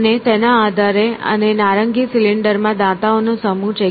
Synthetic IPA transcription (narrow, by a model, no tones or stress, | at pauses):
net̪enaːd̪ʱaɾeə̰nenaɾəŋɡisilɪɳɖəɾmãd̪at̪aonusəmũt͡ʃə